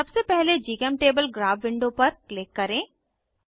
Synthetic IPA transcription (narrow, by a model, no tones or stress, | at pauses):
ɐbsepɛɦled͡ʒiːkɛmʈeːbəlɡɾaːʋʋɪ̃ɳɖopɐɾklɪkːɐɾẽː